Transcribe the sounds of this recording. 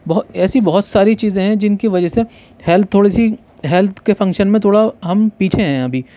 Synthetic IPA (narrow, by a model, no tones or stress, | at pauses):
bɔɦɛːsibɐɦʊt̪saːɾit͡ʃiːzẽɦɛ̃d͡ʒɪnkiʋɐd͡ʒɛse | hɛlt̪̚t̪ʰːoːɽisi | ɦɛlt̪ʰkefɐ̃ŋkʃənmẽt̪ʰoːɽaɦɐmpiːt͡ʃʰeɦɛ̃ɐbʱiː